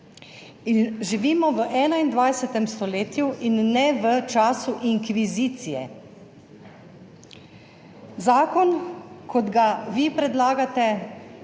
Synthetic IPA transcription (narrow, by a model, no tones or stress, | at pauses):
inʒiʋiːmɔʋəʔɛːnaind̪ʋajsɛt̪ɛmst̪ɔleːt̪juʔinːɛʋət͡ʃaːsuʔiŋkʋiziːt̪sijɛ̰ | zaːkɔnkʰɔd̪ɡaʋipɾɛd̪laːɡat̪ɛ